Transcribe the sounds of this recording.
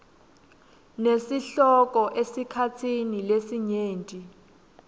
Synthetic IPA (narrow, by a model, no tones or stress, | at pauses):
nesiɬɔk̬ʼɔʔesikʰat͡sʰinilesiɲeːntʼi